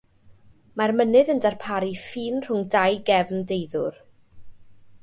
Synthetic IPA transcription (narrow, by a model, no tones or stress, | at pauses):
marmənɨðəndarpʰaɾifiːnr̥ʊŋdajɡɛvndejðʊr